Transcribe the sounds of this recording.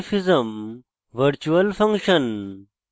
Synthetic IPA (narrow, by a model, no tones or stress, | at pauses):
fizɐm | ʋɐɾt͡ɕuɐlfɐŋɡʂɐn